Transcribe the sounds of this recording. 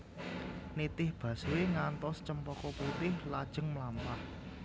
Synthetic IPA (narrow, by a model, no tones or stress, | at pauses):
nit̪ɪhb̥ä̤suweŋant̪ɔst͡ʃəmpɔkɔput̪ɪhlad̥ʒ̥ə̤ŋmlampah